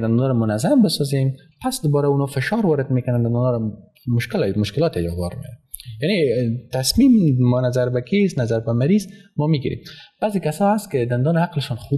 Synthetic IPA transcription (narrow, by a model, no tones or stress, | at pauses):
d̪and̪unɔɾamʊnazambɪsɔzem | pasd̪ʊbɔɾaunɔfɪʃɔɾwɔɾɪd̪mekʊnand̪and̪unɔɾa | mʊʃkɪlmʊʃkɪlɔt̪ajɔwa̰ɾmḛɾanjanet̪asmimːɔnazaɾbakʰesnazaɾbamaɾizmɔmiɡḭɾḛmb̥azekasɔast̪̚kɪd̪and̪ɔnɪaqlɪʃɔnxu